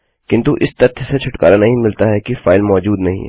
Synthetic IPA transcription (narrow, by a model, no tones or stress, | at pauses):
kɪ̃nt̪uʔɪst̪ɐɾt̪ʰset͡ʃʰʊʈka̰ːɾanɐɦĩmɪlt̪aɦɛkifaːɪlmɔːd͡ʒuːd̪nɐɦḭ̃ɛ̰